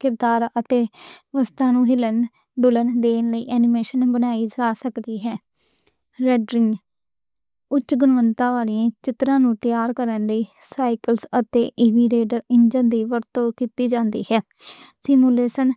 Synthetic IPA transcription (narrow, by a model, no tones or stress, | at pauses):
kɪbd̪aːɾət̪eːʋəst̪ãːnũːɦɪlən | ɖʊlənd̪eːnləḭːʔɛːnɪmeːʃənbənaːiːd͡ʒaːsəkd̪iːɦɛː | ɾɛːɖɾɪŋɡ | ʊt͡ʃːʃɡʊnʋənt̪ãːʋaːliãːt͡ʃɪt̪ɾãːnũːt̪ɪjaːɾkəɾənləiː | saːɪkəlsət̪eːʔɪʋiːɾeːɖəɾɪɲd͡ʒənd̪iːʋəɾt̪õːkiːt̪iːd͡ʒãːnd̪ḭːɦɛː | sɪmuːleːʃən